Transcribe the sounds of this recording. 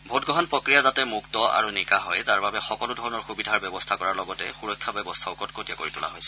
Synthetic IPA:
bʱotɡɔɦɔnpɹɔkɹijazatɛmuktɔa̰ɹunikaɦɔjtaɹbabɛxɔkɔlʊdʱɔɹɔnɔɹxubidʱaɹbɛbɔstʰakɔɹaɹlɔɡɔtɛxuɹɔkʰːjabɛbɔstʰaʊkɔtkotijakoɹitʊla̰ɦojsɛ̥

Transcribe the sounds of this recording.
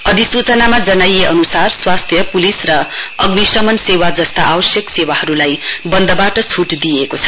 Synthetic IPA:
ʌd̪ʱisut͡sʌnamad͡zʌnajeʔʌnusarswast̪ʰjʌpulisrʌʌɡnisʌmʌnsewad͡zʌst̪aʔawʌsjʌksewaɦʌɾulajbʌnd̪ʌbaʈʌt͡sʰuʈd̪ijekot͡sʰʌ̥

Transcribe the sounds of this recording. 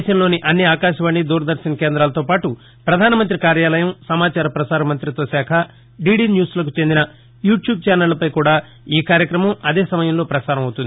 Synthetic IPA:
ʃɐnlo̞ːniʔɐnːiaːkaːʃɐʋaːɳːid̪uːɾɐd̪ɐɾʃɐnɐkeːnd̪ɾaːlɐt̪o̞ːpaːʈu | pɾɐd̪ʱaːnɐmɐnt̪ɾikaːɾjaːlɐjɐmsɐmaːt͡ʃaːɾɐpɾɐsaːɾɐmɐnt̪ɾit̪o̞ːsaːkʰɐ | ɖiːɽiːnjuːslɐkut͡ʃe̞nd̪inɐ | juːʈjuːb̚t͡ʃaːnɐlːɐpɐjkuːɽaː | iːkaːɾjɐkɾɐmɐmɐd̪eːsɐmɐjɐmlo̞ːpɾɐsaːɾɐmɐwut̪und̪ii

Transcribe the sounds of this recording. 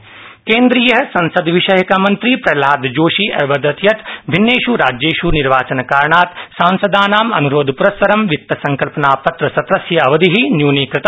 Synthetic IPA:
kẽːnd̪ɾijɐɦɐsɐ̃nsɐd̪ʋiʃɐjɐkamɐnt̪ɾipɾɐlaːd̪d͡ʒoːʃiːʔɐːʋɐd̪ɐt̪jɐt̪bʱinːeːʃuɾaːd͡ʒeːʃuniɾʋaːt͡ʃɐnkaːɾɳaːt̪sãːnsɐd̪aːnaːmɐ̰nuɾoːd̪ʱpuɾɐspɐɾɐmʋɪk̚t̪ɐsɐ̃ŋkɐlpɐnaːpɐt̪ɾɐsɐt̪ɾɐsjɐɐʋɐd̪iɦinjuːniːkɾɪt̪

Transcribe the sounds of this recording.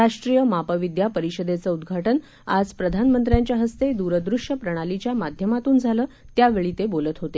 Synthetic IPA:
aʂʈɾijəmapəʋid̪japəɾiɕəd̪et͡səːud̪ɡʱaʈən | a̰d͡zpɾəd̪ʱanmənt̪ɾjaɲt͡ɕjaɦəst̪ed̪uɾəd̪ɾuʂjəpɾəɽ̃alit͡ɕjamad̪ʱjəmat̪uːnd͡zʱaləː | t̪jaʋeɭiːt̪ebolət̪ɦot̪e

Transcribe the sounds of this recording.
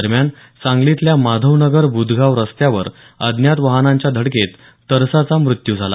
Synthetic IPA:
əɾmjan | t͡sãŋɡlit̪ljamad̪ʱəʋnəɡəɾbud̪ʱɡaʋɾəst̪jaʋəɾ | əd̪ʱnjat̪ʋəɦnaɲt͡ɕjad̪ʱəɽket̪ː | əɾsat͡samɾut̪jud͡zʱala̰

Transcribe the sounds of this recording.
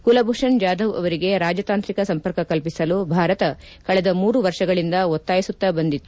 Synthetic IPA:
kulɐbʱuʂɐɳd͡ʒaːd̪ʱɐʋɐ̰ʋɐɾiɡe̞ɾaːd͡ʒɐt̪aːnt̪ɾikɐsɐmpɐɾkɐkɐlpisɐlubʱaːɾɐt̪ɐ | kɐɭɛd̪ɐmuːɾuʋɐɾʂɐɡɐɭind̪ɐot̪ːaːjisut̪ːɐbɐnd̪it̪ːu

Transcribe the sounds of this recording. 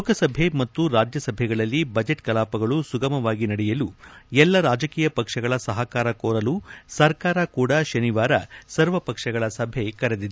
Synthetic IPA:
lokɐsɐbʱe̞mɐt̪ːuɾaːd͡ʒjɐsɐbʱɛɡɐɭɐlːibɐd͡ʒeʈkɐlaːpɐɡɐɭusuɡɐmɐʋaːɡinɐɽɛjɐluɛlːɐɾaːd͡ʒɐkiːjɐpɐkʂɐɡɐɭɐsɐɦɐkaːɾɐkoːɾɐlusɐɾkaːɾɐkuːɽɐʃɐniʋaːɾɐ̰sɐɾʋɐpɐkʂɐɡɐɭɐsɐbʱe̞kɐɾed̪id̪e

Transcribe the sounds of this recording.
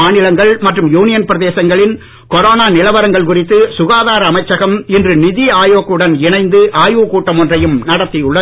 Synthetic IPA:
aːnɪlɐŋɡɐɭmɐʈrɯmjuːnɪjɐnpɪɾɐðeːsɐŋɡɐɭɪn | kɔɾoːnaːnɪlɐʋɐɾɐŋɡɐɭkʊrɪt̪ːɯsʊɣaːðaːɾɐːmɐɪt͡ʃːɐɣɐmɪndrɯnɪðiaːjoːkɯɽɐnɪnɐɪnd̪ɯʔaːjuːkuːʈːɐmɔndrɐjɯmnɐɽɐt̪ːɪjʊɭːɐ

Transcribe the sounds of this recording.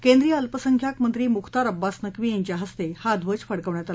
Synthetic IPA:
kẽnd̪ɾijəəlpəsəŋkʰjakmənt̪ɾiːmukʰt̪aɾəbːasnəkʋiːjãɲt͡ɕjaɦəst̪ehad̪ʱʋəd͡zfəɽkəʋɳjat̪al

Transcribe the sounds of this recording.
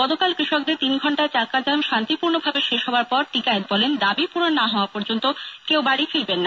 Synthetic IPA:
ɡɔt̪okalkɾiʃɔk̚d̪et̪inɡʱɔɳʈaet͡ɕakad͡ʑamʃant̪ipuɾnobʱabeʃeʃɦɔoaɾpɔɾʈikaet̪̚bɔlend̪abipuɽonːaɦɔoapɔɾd͡ʑont̪okewbaɽifiɾbenːa

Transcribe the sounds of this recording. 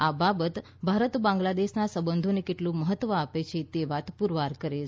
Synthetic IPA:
ababət̪ | bʱaɾət̪bãŋɡlad̪eʃnasəbənd̪ʱonekeʈlũməɦət̪ːʋəapet͡ʃʰet̪eʋat̪puɾʋaɾkəɾe

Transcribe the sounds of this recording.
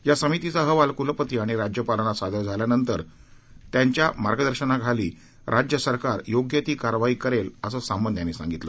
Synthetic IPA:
jasəmit̪it͡saɦəʋalkuləpət̪iaɽ̃iɾad͡ʑjəpaləɳ̃asad̪ʱəɾd͡zʱaljanənt̪əɾ | t̪jaɲt͡ɕjamaɾɡəd̪əɾɕəɳaɡʱalḭː | ɾʔad͡ʑjəsəɾkaɾjoɡjət̪iːkaɾʋaiːkəɾeləsəsambənt̪janːisã̰ŋɡit̪lə̰

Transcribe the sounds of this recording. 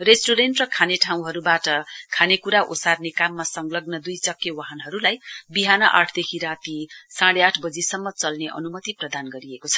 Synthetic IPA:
resʈuɾenʈrʌkʰaneʈʰaw̃ɦʌɾubaʈʌkʰanekuɾaʔo̰sarnekamːasʌŋlʌɡnʌd̪ujt͡sʌkːjʌwaɦʌnɦʌɾulajbiɦanʌʔa̰ʈʰd̪ekʰiɾat̪isaɽeaʈʰbʌd͡zisʌmːʌt͡sʌlneʔʌ̰numʌt̪iprʌd̪anɡʌɾiekot͡sʰʌ̥

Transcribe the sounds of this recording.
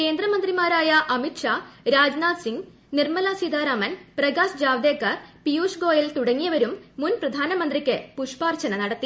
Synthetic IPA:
ke̞ːnd̪rɐmɐnd̪rimaːɾaːjɐʔɐmiʈʂaːɾaːd͡ʑnaːd̪siŋɡ | nirmɐlasid̪aːɾaːmɐnprɐɡaːsd͡ʑaːʋd̪eːkːaːrpijuːʂɡo̞ːjɐlt̪uɽɐŋːijɐʋɐɾumːunprɐd̪ʱaːnɐmɐnd̪rikʲːɨpuʂpaːrt͡ɕɐnɐnɐɽɐt̪ːi

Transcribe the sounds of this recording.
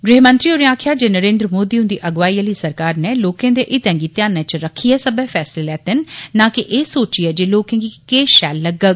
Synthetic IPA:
ɡɾɪɦmə̃nt̪ɾiːoɾiãːkʰjaːd͡ʒeːnəɾẽːnd̪ɾəmoːd̪iːʊ̃nd̪iːʔəɡʋaːiːəliːsəɾkaːɾneːloːkẽːd̪eːʔɪt̪ɛ̃ːŋɡiːt̪jãːnɛ̃t͡ʃɾəkʰiɛːsəbɛːfʰɛːsɪleːlɛːt̪ɪnːãːkɪʔeːsoːt͡ʃiɛːd͡ʒeːloːkẽːɡikeːʃɛ̰ːlːəɡəɡ

